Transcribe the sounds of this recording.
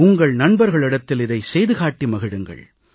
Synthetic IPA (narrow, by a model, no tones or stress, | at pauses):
ʊŋɡɐɭnɐnbɐɾɣɐɭɪɽɐt̪ːɪlɪðɐɪsɛjðɯɣaːʈːimɐɣɪɽɯŋɡɐ̰ɭ